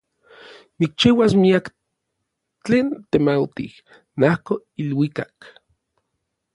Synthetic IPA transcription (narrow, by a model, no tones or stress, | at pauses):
nik̚t͡ʃiwasmiak | t͡ɬeːnt̪emawt̪ḭh | nahko | ilwikak